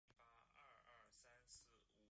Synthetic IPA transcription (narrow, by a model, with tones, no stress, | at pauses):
pa˥ə˥˧˩ə˥˩sa˥nsɹ̩˥˩u˨˧˩